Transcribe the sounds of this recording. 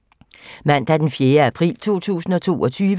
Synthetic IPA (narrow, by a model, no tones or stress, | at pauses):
mæn̰d̥æɐd̥enfjeːɐæpʰʁḭːlt͡sʰo̝̰ːt͡sʰṵːsn̩ɒ̽t͡sʰo̝̰ːɒ̽t͡sʰyːʋ